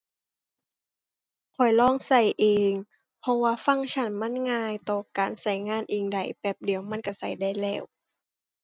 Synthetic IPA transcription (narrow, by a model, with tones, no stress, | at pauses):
kʰɔ˨˩jlɔː˧˥˨ŋsa˧˩jʔeː˨ŋ | pʰɔ˧waː˧fa˧˥˨ŋt͡ɕʰa˧˥˩nma˧˥˨nŋaː˧jt̪ɔː˧˩kaː˨˩nsa˧˩jŋaː˧˥˨nʔeː˨˩ŋda˨˩jpɛː˧˩p̚di˨˩əwma˧˥˨nka˧˩sa˧˩jda˧˩jlɛː˧˩w